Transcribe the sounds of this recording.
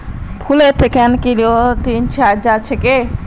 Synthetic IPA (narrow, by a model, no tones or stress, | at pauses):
pʰulet̪ʰekenkiɾot̪int͡ʃʰead͡ʒat͡ʃʰeke